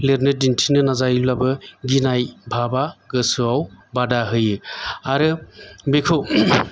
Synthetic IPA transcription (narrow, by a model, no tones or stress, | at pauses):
leɾnɯdintʰinɯnazajillabɯɡinajbʱabaɡɯsɯawbadaɦɯjɯaɾɯbekʰɯw